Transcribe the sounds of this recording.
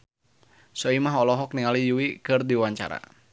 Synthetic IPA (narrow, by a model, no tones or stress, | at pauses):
sɔimaɦɔlɔɦɔk̚niŋalijuwikɨrdiwaɲt͡ʃa̰ɾa̰